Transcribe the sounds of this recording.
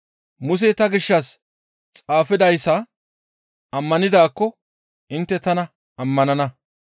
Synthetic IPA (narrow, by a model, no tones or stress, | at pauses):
mʊs̬ɛt̪ɐɡɪʃːɐs | t͡sʼaːfɪd̪ɐjsːɐ | ɐmːɐnɪd̪aːkːɔ | ʔɪnt̪ːɛt̪ɐnɐ | ɐmːɐnɐnɐ